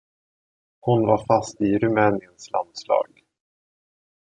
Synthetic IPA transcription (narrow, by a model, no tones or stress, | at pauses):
hʊnvaɾfast̪ɪɾɵmɛːnɪənsla̰nd̪slɑ̰ːɡ